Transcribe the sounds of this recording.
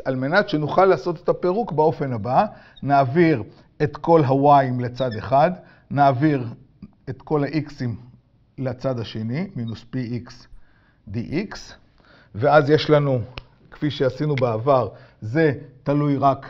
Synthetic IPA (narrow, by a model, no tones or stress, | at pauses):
alme̞nat̪ʃe̞nuχalːaːso̞t̪et̪ape̞ʁukbeo̞fe̞naba | naːviʁ | e̞t̪ko̞lɦawajmlet͡sad̪eχad̪ | naːviʁ | e̞t̪ko̞laʔiksim | lat͡sad̪aʃe̞niminuspiiks | d̪iʔiks | veazje̞ʃlanu | kfiʃeasinubaavaʁze̞talujʁak